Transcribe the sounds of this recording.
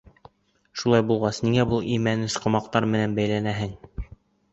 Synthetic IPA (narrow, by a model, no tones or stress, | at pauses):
ʃulˠɑjbulˠʁɑsniŋæbulˠimænɘsqŏmɑqt̪ɑɾmɘ̆nænbæjlænæɦɘŋ